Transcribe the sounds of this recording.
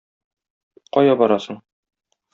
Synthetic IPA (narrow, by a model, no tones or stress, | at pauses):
qɒjɑbɒɾɑsɤɴ